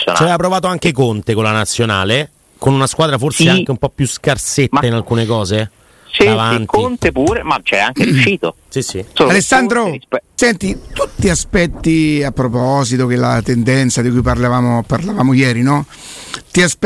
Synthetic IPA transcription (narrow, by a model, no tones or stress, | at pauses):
o̰nt͡ʃavɛvap̬ɾovaːt̪oaŋk̟ekont̪ekolːanat̪sːjona̰ːle | konunaskwaːd̪ɾaforseaŋ̟eumpɔpːjuskarset̪ːainalkuːnekɔːze | sɛavantkoint̪epuːɾemat͡ʃɛaŋkeɾjuʃʃiːt̪osisioalesːand̪ɾosɛnt̪it̪ut̪ːiaspɛt̪ːiapːɾopɔːzit̪ok̟elat̪end̪ɛnt̪sad̪ikujp̬arlavaːmoparlavaːmojɛːɾinɔ | t̪iasp